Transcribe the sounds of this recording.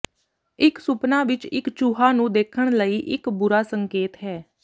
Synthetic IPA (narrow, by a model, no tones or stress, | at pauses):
ɪksʊpnaːʋɪt͡ʃɪ̰kt͡ʃuːɦaːnũːd̪eːkʰːəɳ̃ləiːʔɪkbʊɾaːsəŋkeːt̪ɦɛː